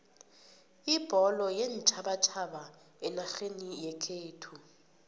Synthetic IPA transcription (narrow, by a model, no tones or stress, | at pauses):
ib̥ʱɔlɔjent͡ʃʼʰaɓat͡ʃʰaɓa | ɛnaɬenijɛkʰeːtʰu